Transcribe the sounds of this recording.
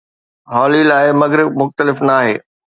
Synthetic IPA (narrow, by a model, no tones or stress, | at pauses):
ɦɔːlilaːɪmɐɡɾɪmʊxt̪əlɪfnaːɦḛː